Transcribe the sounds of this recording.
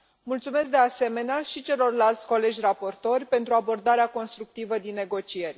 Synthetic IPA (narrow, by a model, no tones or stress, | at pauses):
mult̪sume̞sk̚d̪ease̞me̞neaʃit͡ʃe̞lo̞rlalt̪sʲko̞le̞d͡ʒʲrapo̞rt̪o̞rʲpe̞nt̪ɾuabo̞rd̪aɾeako̞nst̪ɾuk̚t̪ivəd̪inːe̞ɡo̞t͡ʃie̞rʲ